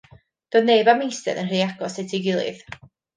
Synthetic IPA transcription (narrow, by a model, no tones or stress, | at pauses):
d̥ɔneɨbamejstɛ̰ðənr̥ejaɡɔsɛtʰiɡɪlˠɨ̰ð